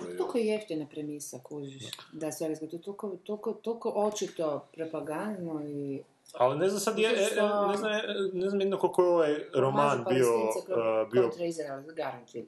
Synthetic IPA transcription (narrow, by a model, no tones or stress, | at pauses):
okojejeft̪inapɾemisakuzid̪asoɾiskat̪ot̪okot̪olkot̪okoʔot͡ʃit̪opɾopaɡand̪noi | alineznamsad̪jɛneznamneznamjd̪nakolkojeoʋajɾomaːnbiosapɾbiot̪ɾejzeɾalɡaɾaŋk̪ʰi